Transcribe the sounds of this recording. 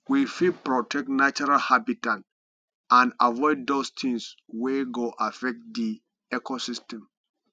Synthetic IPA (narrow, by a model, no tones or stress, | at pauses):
wifidpɹɔtʰɛk̚nat͡ʃɔɾalhabitãnt | ãnavɔɪddostʰĩŋs | weɡoʔafɛk̚tdi | ɛkʰosistɛ̃m